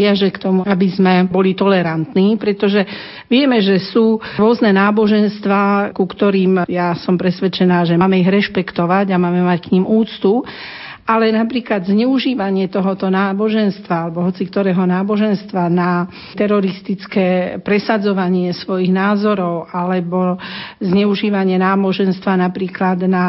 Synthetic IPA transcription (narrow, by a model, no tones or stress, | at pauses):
ɪaʒɛkt̪ɔmuabizmɛbɔlit̪ɔlɛɾant̪niːpɾɛt̪ɔʒɛ | ʋɪɛmɛʒɛsuːɾʊɔznɛnaːbɔʒɛnst̪ʋaːkukt̪ɔɾiːmjasɔmpɾɛsʋɛt͡ʃɛnaːʒɛmaːmɛiɣɾɛʃpɛkt̪ɔʋaɟamaːmɛmackɲimuːt͡st̪u | ʔalɛnapɾiːklad̪zɲɛuʒiːʋaɲɪɛt̪ɔɦɔt̪ɔnaːbɔʒɛnst̪ʋaalɛbɔɦɔt͡sikt̪ɔɾɛːɦɔnaːbɔʒɛnst̪ʋana | t̪ɛɾɔɾist̪it͡skɛːpɾɛsad͡zɔʋaɲɪɛsʋɔjiɣnaːzɔɾɔʊalɛbɔzɲɛuʒiːʋaɲɪɛnaːbɔʒɛnst̪ʋanapɾiːklad̪na